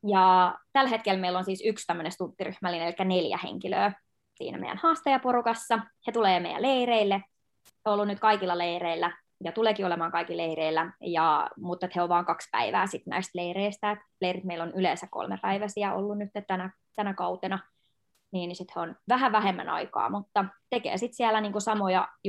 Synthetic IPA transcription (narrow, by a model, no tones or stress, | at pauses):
jɑt̪ælhet̪̚kelmeilːonsiːsykst̪æmːønest̪unt̪ːiry̰hmælːineelikːæneljæ̰hḛŋkilø̰ː | sḭːnæ̰mḛjæ̰nhɑːst̪ɑjɑporukɑsːɑhet̪uleːmḛijæ̰leireilːe | heoolːunyt̪kɑikilːɑleiɾeilːæ | jɑt̪uleːkiːolemɑːŋkɑikileiɾeilːæjɑmut̪ːet̪heoʋʋɑːŋkɑkspæ̰iʋæ̰ːsit̪næ̰ist̪leireist̪æet̪leirit̪meilonyleːnsækko̰lmepæiʋæsiæʔo̰lːunnyt̪ːet̪tænæ | t̪ænækɑut̪enɑ | niːnsit̪heonʋæɦæʋæhemːæ̰nɑ̰ikɑ̰ːmut̪ːɑt̪ekḛːsit̪siælæniːŋkusɑmojɑ